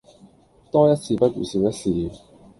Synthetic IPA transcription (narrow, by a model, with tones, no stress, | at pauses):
t̪ɔː˥jɐ˥t̚t͡sʰiː˧pɐ˥t̚jṵ˨˩siː˧wjɐ˥t̚siː˨˩